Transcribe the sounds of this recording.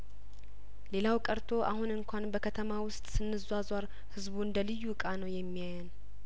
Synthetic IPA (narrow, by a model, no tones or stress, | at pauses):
le̞lawkʼəɾt̪ʰo̞ʔa̰hunɨŋkʷʰanbəkʰət̪ʰəmawʊst̪ʼsɨnːɨzwazwaɾ | hɨzbuɨnd̪əlɨjːukʼanəwjɛmːijajən